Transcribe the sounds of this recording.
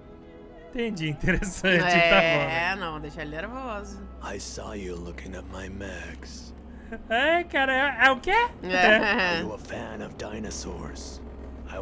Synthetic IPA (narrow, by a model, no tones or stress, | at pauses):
ĩt̪ẽd͡ʒiĩt̪eɾesɐ̃t͡ʃɪɛaɔɛnɐ̃w̃d̪eʃaneɾvozʊaɪsɔ̰jɨlʊkɪ̃ŋɨt̚maɪmɛɡz̥ | akaɾɐɛɛʊkɪɛɛɛuəfæ̃nʌvdãɪ̃nɨsɔ̰ɹz̥ | aɪ